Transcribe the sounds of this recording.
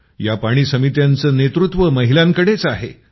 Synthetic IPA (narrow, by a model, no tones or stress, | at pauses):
japaɽ̃iːsəmit̪jant͡səːnet̪ɾut̪ʋəməɦiljãŋkəɽet͡saɦḛ